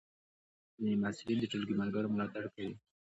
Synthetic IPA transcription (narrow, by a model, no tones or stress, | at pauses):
imasɪlind̪əʈ͡ʂulɡimaɾɡaɾomʊlat̪aɽkawi